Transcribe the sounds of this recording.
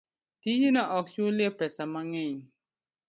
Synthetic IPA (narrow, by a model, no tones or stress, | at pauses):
tijinaʔɔk̚sulepɛsamaŋɛɲ